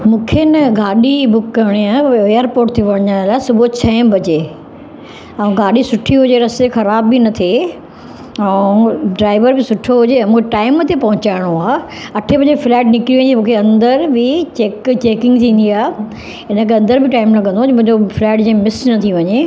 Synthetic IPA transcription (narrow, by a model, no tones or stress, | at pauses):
mũːkʰenɐɡaːɗibʊkːɐɽ̃iaeːjəɾpoːɾʈ̚t̪ʰiʋɐɽ̃ɲaːɽ̃laːɪsʊbʱot͡ɕʰɐ̃ɦbʱɐd͡ʑe | ɛ̃ːɡaːɗisʊʈʰiɦʊd͡ʑeɾɐsexɐɾaːbːinɐt̪ʰe | ɛ̃ɖɾaːɪʋəɾbɪsʊʈʰoɦʊd͡ʑeɛ̃ːmũːkʰeʈaːɪmt̪epɐɦʊ̃t͡ɕaːɪɽ̃oaː | ɐʈʰebɐd͡ʑeflɛːʈnɪkɾiʋɐ̃ɲd͡ʑimũːkʰeɐ̃nd̪əɾbɪt͡ɕeːkt͡ɕeːkɪ̃ŋɡt̪ʰĩːnd̪iaː | ɦɪnə̆kʰeɐ̃nd̪əɾbɪʈaːɪmlɐɡə̃nd̪oːmʊ̃ɦɪ̃ɲd͡ʑoflɛːʈd͡ʑẽːmɪsnɐt̪ʰĩʋɐɲe